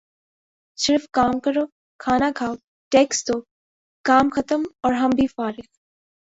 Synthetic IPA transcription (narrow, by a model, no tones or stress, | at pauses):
sɪɾfkaːmkɐɾoː | kʰaːnakʰaːʊ | ʈeːksd̪oː | kaːmxɐt̪əmɔːɾɦɐmbʱifaːɾɪk